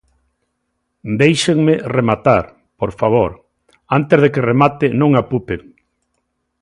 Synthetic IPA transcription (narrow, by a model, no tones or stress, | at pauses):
d̪ejʃeŋmeremat̪aɾ | poɾfaβ̞oɾ | ant̪ɪzð̞ekɪremat̪ɪnõŋapupeŋ